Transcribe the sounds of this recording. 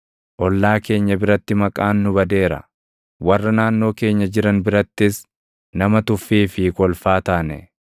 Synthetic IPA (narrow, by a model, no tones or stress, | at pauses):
ʔɔlːaːke̞ːɲːɐbɪɾɐt̪ːɪmɐkʼaːnːʊbɐd̪e̞ːɾɐ̰ | wɐrːɐnaːnːo̞ːke̞ːɲːɐd͡ʒɪɾɐnbɪɾɐt̪ːɪs | nɐmɐt̪ʊfːiːfɪkɔlfaːt̪aːnɛ